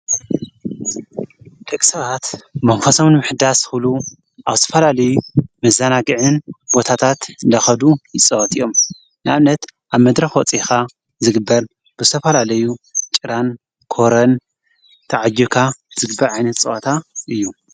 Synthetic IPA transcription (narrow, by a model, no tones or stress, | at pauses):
d̪̥ɐkʼi̥sɐβat̪mɐmfɐsomnmɨħd̪asxɨlu | ʔaβt̪ʰɐfɐlalɐjumɐzɐnaɡɨʕɨnbo̞t̪ʰat̪ʰat̪ɨnd̪ɐxɐd̪ujɪt͡sʼɨwɐt̪ʰijo̞m | nɨaβnɐt̪ʔaβmɐd̪ɾɐxwɔt͡sʼixa | zɨɡɨbːɐɾ | b̥ɨzt̪ʰɐfɐlalɐjut͡ʃʼɨɾan | kʰo̞ɾɐn | t̪ʰɐʕad͡ʒːukʰaz̥ɨɡɨbːɐɾʕajnɐt̪t͡sʼɨʔɐt̪ʰaʔɨjːu